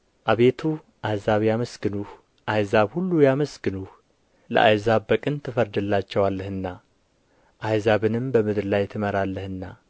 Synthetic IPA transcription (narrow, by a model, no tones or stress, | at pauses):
ʔaβe̞t̪ʰu | ʔajzaβjaməsɡɨnuh | ʔajzaβhulːujaməsɡɨnuh | lə̰ʔa̰jzaβbəkʼɨnt̪ʰɨfəɾd̪ɨlːat͡ʃːɛwalːəhɨnːa | ʔajzaβɨnɨmbəmɨd̪ɾlajt̪ʰɨməɾalːəhɨnːa